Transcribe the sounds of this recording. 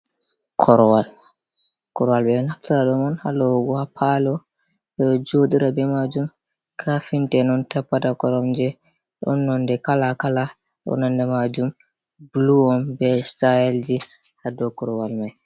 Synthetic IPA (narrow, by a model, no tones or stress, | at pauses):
kʰɔɾɔwal | kɔɾɔwalbɛnaftiɾaɗɔmɔnhalɔɡɔhapʰalɔ | ɗɛɔd͡ʒoɗiɾabɛmad͡ʒum | kʰafintɛnɔntapːatakɔɾɔmd͡ʒɛ | ɗɔ̰nːɔndɛkalakala | ɗɔ̰nɔndɛmad͡ʒum | bluɔmbɛstajɛld͡ʒi | hadɔkɔɾɔwalmaj